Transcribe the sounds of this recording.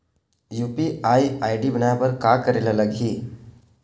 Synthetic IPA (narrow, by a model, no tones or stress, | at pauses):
jupiaiajɖibənajapəɾkakəɾelaləɡʱiː